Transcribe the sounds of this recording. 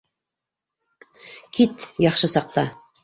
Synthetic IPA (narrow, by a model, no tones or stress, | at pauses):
kʰit̪jɑχʃɤsɑq̚t̪ɑ